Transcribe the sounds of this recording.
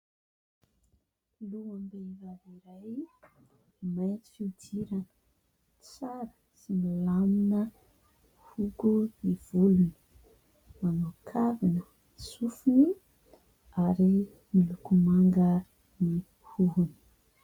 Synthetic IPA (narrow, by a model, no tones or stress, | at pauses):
luambevaviɾaj | majt͡si̥fiutʰiɾan | t͡saɾə̥ | sinilaminə | hukuniv̥uluni̥ | manukʰavinə | sufini | aɾi | milukumaŋɡə | ni | huɦuni̥